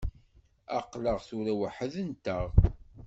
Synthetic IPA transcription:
ɑqləʁθuɾæwəħəðənt̪əʁ

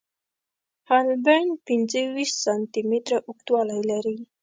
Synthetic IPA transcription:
halbanpind͡zəwissant̪imit̪ɾaʔʊkt̪wɑlajlaɾi

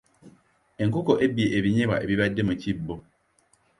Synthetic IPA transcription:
eŋ̩kʊkɔʔebieʔeβiɲẽba̰ʔḛbiβadːemãt͡ɕʰibːo

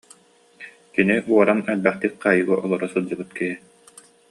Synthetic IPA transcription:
kiniʔuɔɾanɛlbɛχt̪ik̚qaːjɯɡaʔɔlˠɔɾɔsɯlˠd͡ʑɯbɯt̪kɛɦi

